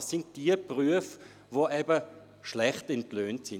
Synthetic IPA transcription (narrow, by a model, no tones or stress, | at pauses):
sːɪnt̚d̥iəpʁyəf | voʔɛbə | ʃlɛχtɛntløːntsɪ